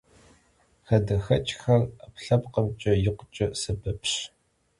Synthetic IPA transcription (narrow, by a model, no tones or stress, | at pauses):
xɐdɐxɐt͡ʃʼxɐrapɬɐpqəmt͡ʃʼɐjɪqʷʊt͡ʃʼɐsɐbɐpʰɕ